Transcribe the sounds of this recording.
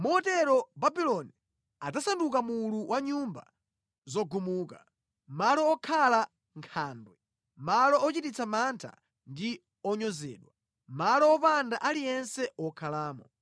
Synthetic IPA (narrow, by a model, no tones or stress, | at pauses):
muɔtɛɾɔbabilɔni | ad͡zasandukamuluwʔaɲumba̰ | zɔɡumuːka | malɔːkʰala | ŋkʰaːndwɛ | malɔɔt͡ʃitit͡sʰamantʰa̰ | ndi | ɔɲɔzɛ̰ːɗwa | malɔːpandaʔalijɛnsɛɔkʰalaːmɔ